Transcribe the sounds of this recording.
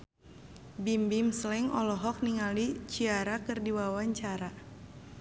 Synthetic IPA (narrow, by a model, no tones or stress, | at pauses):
bimbimslɛŋɔlɔɦɔk̚niŋalit͡ʃiaɾakɨrdiwawaɲt͡ʃaɾa